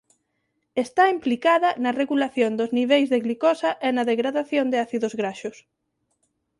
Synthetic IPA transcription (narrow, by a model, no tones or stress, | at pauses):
est̪aimplikaðɐnɐreɣulaθjõnd̪ʊzniβ̞ejzðeɣlikɔsɐʔɛnɐðeɣɾaðaθjond̪eaθiðʊzɣɾaʃʊs